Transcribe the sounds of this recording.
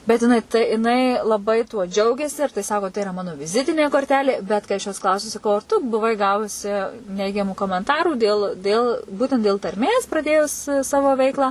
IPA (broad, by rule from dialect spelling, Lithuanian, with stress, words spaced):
bʲɛt jɪˈnɐɪ tɐɪ jɪˈnɐɪ lˠɐˈbɐɪ tuɔ ˈd͡ʒʲɛʊɡʲɛsʲɪ ɪr tɐɪ ˈsɑːkoː tɐɪ ɪˈrɐ ˈmɑːnoː ʋʲɪˈzʲɪtʲɪnʲeː koːrʲˈtʲæːlʲeː bʲɛt kɐɪ ˈɐʃ joːs ˈklˠɐʊsʲʊ sɐˈkɐʊ ɐr ˈtʊ bʊˈʋɐɪ ˈɡɑːʋʊsʲɪ ˈnʲɛɪɡʲɛmuː koːmʲɛnˈtɑːruː dʲeːlˠ ˈdʲeːlˠ ˈbuːtʲɛnt dʲeːlˠ tɐrʲˈmʲeːs prɐˈdʲeːjʊs ˈsɑːʋoː ˈʋʲɛɪklˠɑː